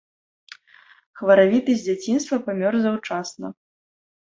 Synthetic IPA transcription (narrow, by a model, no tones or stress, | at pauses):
xvɐɾavʲit̪ɨzʲd͡zʲat͡sʲinst̪vɐpamʲɔrzawt͡ʂasnɐ̰